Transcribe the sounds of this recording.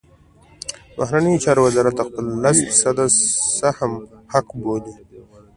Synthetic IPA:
bʊhɾanəjot͡ʃɑɾowazɑɾat̪ːaxpəlːasfisad̪asahmhakboli

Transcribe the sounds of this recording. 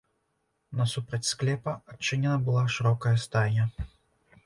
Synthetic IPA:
nɐsupɾɐt͡sʲsklʲɛpɐat͡ʂːɨnʲɛnɐbɨlˠaʂɨɾɔkɐjɐst̪ajnʲɐ

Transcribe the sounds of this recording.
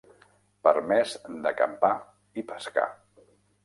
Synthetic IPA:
pəɾmɛzd̪əkə̰mpa | ipəska̰

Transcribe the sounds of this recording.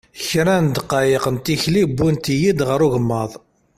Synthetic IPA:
çɾænd̪qːɑjiqənt̪içlibːunt̪ijid̪ʁəɾuʝəmːəðˤ

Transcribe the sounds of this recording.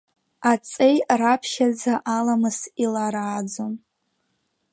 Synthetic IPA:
at͡sʼejrapʰʃad͡zaʔalamɨsilaɾaːd͡zom

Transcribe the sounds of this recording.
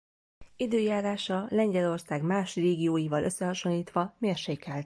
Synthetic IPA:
id̪øːjaːɾaːʃɒlɛɲɟɛlo̞rsaːɡmaːʃreːɡijoːjivɒlʔø̞sːɛɦɒʃo̞nliːt̪ʋɒmeːrʃeːkɛlt̪̚

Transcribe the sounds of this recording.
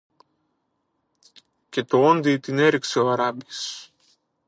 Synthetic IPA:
cʲet̪oond̪it̪ineɾikseoaɾabis

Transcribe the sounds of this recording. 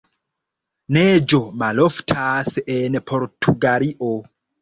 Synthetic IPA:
ned͡ʒomaloftʰasenpʰoɾtʰuɡaɾiʔo

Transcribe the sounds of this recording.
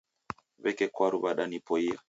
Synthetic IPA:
βɛkɛkwaɾuβaɗanipɔia

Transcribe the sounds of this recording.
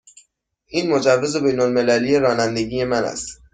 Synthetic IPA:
ʔiːnmod͡ʒævːe̞ze̞be̞jnolme̞læliːjeɾɒːnænd̪eɟiːje̞mænæ̰st̪

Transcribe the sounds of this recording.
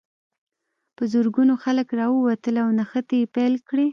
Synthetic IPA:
pəzuɾɡunoxaləkɾɑwəwat̪əlawnaxət̪ajepalkɽe

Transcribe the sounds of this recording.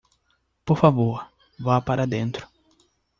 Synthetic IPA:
poɾfavoɾ | vapaɾɐd̪ẽnt̪ɾʊ̥

